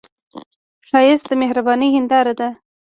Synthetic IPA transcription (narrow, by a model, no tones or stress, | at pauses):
ʃɑjɪst̪d̪əmehɾabɑnihɪnd̪ɑɾad̪a